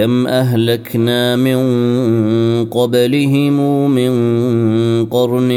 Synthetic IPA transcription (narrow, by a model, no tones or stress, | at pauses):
amʔaɦlaknaːmɪn | qɑbalɪɦɪmuːmɪn | qɑɾˤn